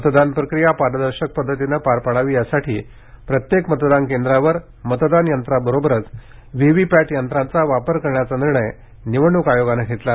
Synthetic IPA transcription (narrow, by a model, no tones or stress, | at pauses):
mət̪d̪anpɾəkɾijapaɾəd̪əɾɕək̚pəd̪ʱːət̪inəpaɾpaɽaʋiːjasaʈʰḭː | pɾət̪jekmət̪d̪ankend̪ɾaʋəɾ | mət̪d̪anjənt̪ɾabəɾobəɾət͡s | ʋiʋipæʈjənt̪ɾãnt͡saʋapəɾkəɾɳjat͡saniɾɳəj | niʋəɳːukajoɡanəkʰet̪la